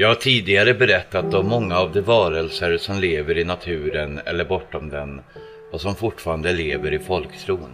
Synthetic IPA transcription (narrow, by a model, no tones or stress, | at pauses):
jɑːɡaʈʰiːd̪ɪɡaɾəbɛɾɛt̪ːat̪̚d̪ɔmːɔŋːaːvd̪ɛvɑːɾəlsəɾsɔmleːvəɾɪnat̪ʰʉ̟ːɾənɛ̰lːəɾbɔʈːɔmd̪ɛn | ɔsɔmfʊʈːfɑːɾand̪əleːvəɾɪfɔlkt̪ʰɾuːn